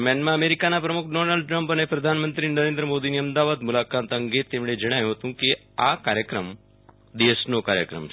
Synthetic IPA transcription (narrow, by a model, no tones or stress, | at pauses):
mɛnmãəmeɾikanapɾəmukʰɖonalɖ̚ʈɾəmpənepɾəd̪ʱanmənt̪ɾinəɾẽnd̪ɾəmod̪iniəmd̪aʋad̪mulakat̪əŋɡet̪ːemɭed͡ʒəɽ̃ajũɦət̪ũke | akaɾjəkɾəm | d̪esnoka̰ɾjə̰kɾə̰m